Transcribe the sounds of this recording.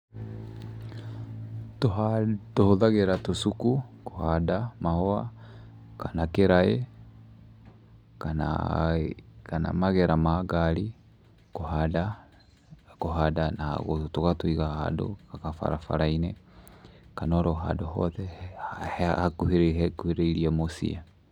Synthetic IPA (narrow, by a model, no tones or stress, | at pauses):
toɦatohoðaɣeɾatosukuko̥hadamahɔa̰ | kanakeɾae | kana̰ | kana̰maɣɛɾamaɡaɾi | koɦada | koɦadana̰ɣotoɣatoiɣaha̰do̰kakafa̰ɾafa̰ɾainɛ | kanɔɾɔɦa̰dohɔ̰ðɛ | hakkuheɾeiɾiamosḭa